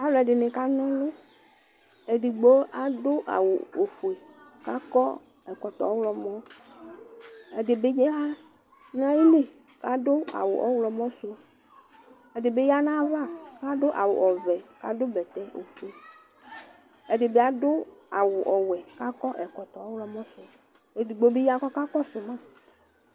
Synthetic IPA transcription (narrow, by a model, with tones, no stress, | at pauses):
a˨˦wlɔ˦˨ɛ˨ɖɪ˨nɪ̃˨ka˦nɔ̃˦lʊ˦ | e˨ɖi˨ɡ͡bo˦a˨dʊ˦ʔa̰˨wʊ˨o˨fu˨e˨ka˦kɔ˦ | ɛ˨kɔ˨t̪ɔ̰˨˦wlɔ˨mɔ̃˦ | ɛ˨ɖɪ˨bɪ˦ɲɛ˦ɦa˦ | nã˦ji˦li˦ | ka˦dʊ˦a̰˨wʊ˨ʔɔ˨˦wlɔ˨mɔ̃˦sʊ˦ | ɛ˨ɖɪ˨be˦ja˦nã˦va˦ka˦dʊ˦ʔa̰˨wʊ̰˨ʔɔ˨vɛ˨ka˦dʊ˦bɛ˨t̪ɛ˦o̰˨fu˨e˨ | ɛ˨ɖɪ˨be˦a˨dʊ˦a˨wʊ˨ʔɔ˨wɛ˨ka˦kɔ˦ʔɛ˨kɔ˨t̪ɔ˨ɔ˦wlɔ˦mɔ̃˦sʊ˦ | e˨di˨ɡ͡bo˦be˦ja˦˨kɔ˦ka˦kɔ˦sʊ˨mã˦